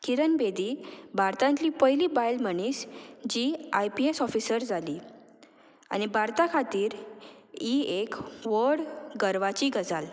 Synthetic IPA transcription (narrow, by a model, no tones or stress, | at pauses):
kiɾənbed̪iːbʱaɾt̪ãnt̪liːpəɦjliːbajlməɳ̃iːsd͡ʑiːajpiesɔfisəɾd͡zʱaliː | a̰ñibʱaɾt̪akʰat̪iːɾ | iekʋəɽɡəɾʋat͡ɕiːɡəd͡zal